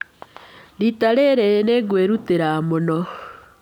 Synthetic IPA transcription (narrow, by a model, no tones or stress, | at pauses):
ɾitaɾeɾeɾɛneːɡweɾuteɾamonɔ